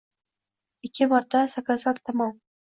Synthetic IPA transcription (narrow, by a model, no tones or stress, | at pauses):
ɪkʲʰːɪmaɾt̪ʰasakɾasat̪ʰːamɒn